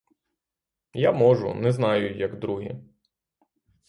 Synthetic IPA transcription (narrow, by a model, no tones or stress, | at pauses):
jamɔʒʊ̰nɛznɑjʊjɐɡd̪ɾuɦi